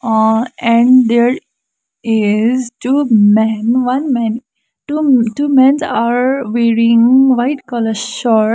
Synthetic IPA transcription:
ɛ̃ɳɖd̪eɾ | ɪzʈumɛ̃nʋʌ̃nmɛ̃n | ʈuʈuːmɛ̃nsaɾʋeːɾĩŋʋaɪʈkɔləɾʃɔɾ

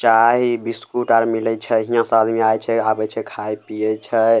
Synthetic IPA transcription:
t͡ʃaɦibiskuʈaɾmilɛt͡ʃʰɛɦijãsəbad̪miajt͡ʃʰɛabət͡ʃʰɛkʰajpijət͡ʃʰɛ

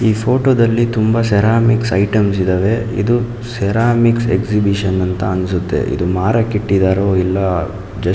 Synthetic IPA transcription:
iːpʰoːʈoːd̪ɐlːit̪umbɐsɛɾaːmiksɐjʈɐmsid̪ɐʋe̞ḭd̪u | sɛɾaːmiksḛksibiʂɐnːɐnt̪ɐɐnsut̪ːe̞̰ʔḭd̪umaːɾɐkiʈːid̪aːɾoːilːɐ | d͡ʒɐ

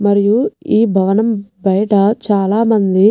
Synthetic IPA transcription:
mɐɾijuiːbʱɐʋɐnɐmbɐjɐʈɐt͡ʃaːlaːmɐnd̪i

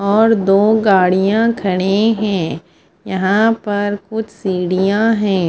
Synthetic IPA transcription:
ɔːɾd̪oːɡaːɽijãkʰɐɽ̃eɦɛ̃ː | jɐɦãpɐɾkʊt͡ʃʰsiːɽijãɦɛ̃ː

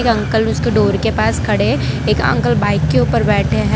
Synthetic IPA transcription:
kɐ̃ŋkəlʊskeɖoːɾkepaːskʰɐɽe | eːkɐ̰̃ŋkəlbaːɪkːeuːpəɾbɛːʈʰeɦɛ

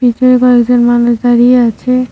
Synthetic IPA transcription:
bitoɾekɔekd͡ʑonmanuʃd̪aɾijeat͡ɕʰe

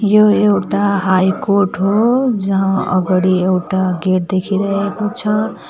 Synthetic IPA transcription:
joewʈaɦajkorʈɦod͡ʒʌɦãʌ̰ɡʌɽiewʈaɡeʈ̚d̪ekʰiɾʌɦɦekot͡sʰʌ

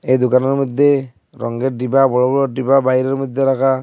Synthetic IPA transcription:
ejd̪okanɔɾmɔd̪ʱːe | ɾɔ̰ŋɡeɖibabɔɽɔbɔɭɔɖibabaɦiɾɔɾmɔjd̪ʱːeɾakʰa

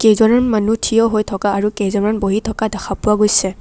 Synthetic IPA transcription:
kejzɔnɔnmanutʰijɔɦojtʰɔkaːɹukejzɔnɔnboɦitʰɔkadaxʰapʊwaɡojsɛ

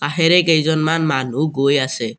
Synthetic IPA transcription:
t̪aɦɛɾɛkejzɔnmanmanuɡojasɛ

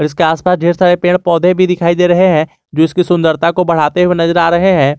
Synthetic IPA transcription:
ɔːɾɪskeaːspaːsd͡ʒʱeːɾsaːɾepeːɽ̃pɔːd̪ʱẽbʱid̪ɪkʰaːid̪eːɾɐɦeɦɛ̃ː | d͡ʒoːɪskisʊ̃nd̪əɾt̪akobɐɽ̤aːt̪eɦuwenɐzəɾaːɾɐɦeɦɛ̃ː

